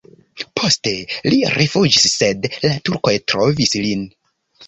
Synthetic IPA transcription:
pʰo̞ste̞liɾefud͡ʒisːe̞dlatuɾko̞jtɾo̞vislin

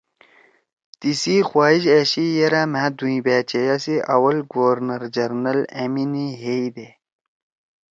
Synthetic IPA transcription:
t̪isixwaːiɕeɕijeɾaːmãd̪uĩbæːt͡ɕejasiʔɐwɐlɡoɾnɐɾd͡ʑɐɾnɐleminiɦeid̪e

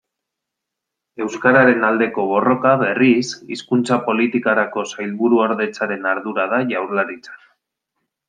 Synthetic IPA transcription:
e̞wskaɾaɾe̞nald̪e̞ko̞βo̞ro̞kaβe̞risḭskunt͡sapo̞lit̪ikaɾako̞sajlβuɾuoɾðe̞t͡saɾe̞naɾðuɾað̞aʝawɾlaɾit͡sḁk

